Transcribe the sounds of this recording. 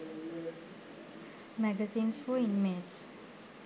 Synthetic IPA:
mɛɡəzĩːnsfɔĩnmeds

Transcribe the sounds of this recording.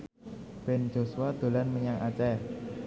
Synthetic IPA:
b̥ɛ̤n̥d͡ʒ̥o̤suwad̪̥o̤lanməɲaŋʔat͡ʃɛ

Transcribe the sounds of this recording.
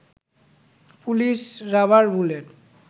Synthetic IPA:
pulisɹabaɹbuleʈ

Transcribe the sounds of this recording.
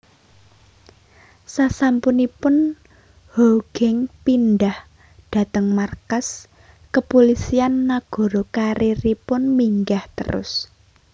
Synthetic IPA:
sasampunipʊn | hoɡ̥ɛŋpinɖah | d̥a̤t̪əŋmarkas | kəpolisianːaɡ̥ɔ̤ɾokaɾiɾipʊnmiŋɡaht̪ə̰ɾʊ̰s

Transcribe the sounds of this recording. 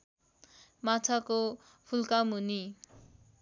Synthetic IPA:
mat͡sʰako | pʰulkamɦuni

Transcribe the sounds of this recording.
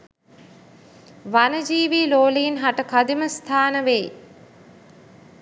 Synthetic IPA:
ʋanəd͡ʒiːʋiːloːliːnɦaʈəkad̪iməst̪ʰaːnəʋej

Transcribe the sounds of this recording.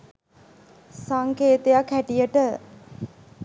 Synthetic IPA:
saŋkeːt̪ejakhæʈijəʈə

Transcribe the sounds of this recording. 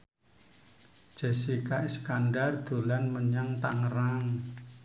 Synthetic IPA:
d͡ʒ̥ɛ̤sikaʔiskanɖard̪̥o̤lanməɲaŋt̪aŋəraŋ

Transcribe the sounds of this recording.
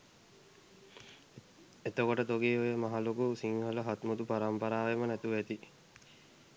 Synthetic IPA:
et̪okoʈət̪oɡeːojəmaɦalokusiŋholəɦat̪mud̪upaɾampɐɾaːʋemənæt̪uʋæt̪i

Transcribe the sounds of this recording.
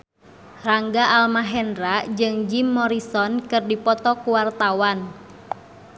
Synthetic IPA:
raŋɡaʔalmaɦɛndɾad͡ʒɨŋd͡ʒimːɔɾisɔnkɨrdipɔt̪ɔkuwart̪awan

